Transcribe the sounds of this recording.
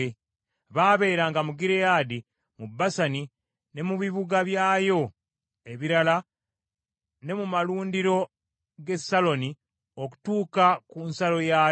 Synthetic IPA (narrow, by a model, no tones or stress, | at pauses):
e | βaːβe̞ːɾaːŋɡamuɡiɾejaːdi | mubːasani | ne̞muβiβuɡaβjaːjo̞ | e̞βiɾala | ne̞mumaluːndiɾo̞ | ɡe̞salo̞ni | o̞ku̥tuːkakunsalo̞ja